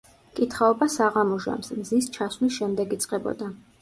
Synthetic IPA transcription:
kʼit̪ʰχaɔbasaʁamɔʒa̰msmzist͡ʃʰaswlisʃɛmd̪ɛɡit̪sʼqʼɛbɔ̰d̪a

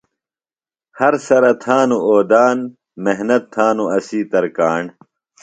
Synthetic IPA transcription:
hɐɾsɐɾɐt̪ʰaːnuoːd̪aːn | meɦnɐt̪ʰːaːnuɐsiːt̪ɐɾkaːɳ

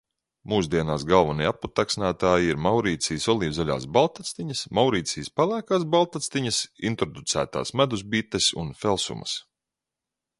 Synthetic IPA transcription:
muːsd̪iɛnaːsɡalˠvanijapːut̪aksnaːt̪aːjiiɾmawɾiːt̪sijsɔlˠiːvzalʲa̰ːsbalˠt̪at̪st̪iɲɐsmawɾiːt̪siːspalˠæːkaːsbalˠt̪at̪st̪iɲɐsḭnt̪ɾɔd̪ut̪sæ̰ːt̪a̰ːsmæd̪uz̬bit̪esṵnfɛlˠsṵmɐ̰s

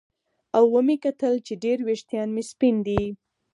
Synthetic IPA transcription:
awːəmikat̪əlt͡ʃeɖeɾweʃt̪jɑnmispind̪i

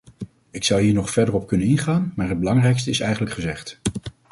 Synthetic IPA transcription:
ɪksɑwɦiːɹnɔχfɛɹdərɔp̚kɵnənɪnχaːnmaːɹɦəd̚bəlɑŋrɛjkstəɪsɛjχənləkχəzɛχt

